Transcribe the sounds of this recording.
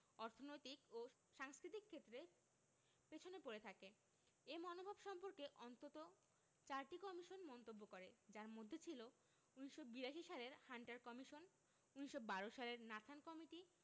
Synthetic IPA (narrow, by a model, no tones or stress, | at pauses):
ɔɾt̪ʰonojt̪iko | ʃaŋskɾit̪ikʰːet̪ːɾe | pet͡ɕʰonepoɾet̪ʰake | emɔnobʱabʃɔmpoɾkeʔɔnt̪ot̪o | t͡ɕaɾʈikɔmiʃonmɔnt̪obːokoɾed͡ʑaɾmod̪ʱːet͡ɕʰilo | uniʃobiɾaʃiʃaleɾhaɳʈaɾkɔmiʃon | uniʃobaɾoʃaleɾnat̪ʰankɔmiʈi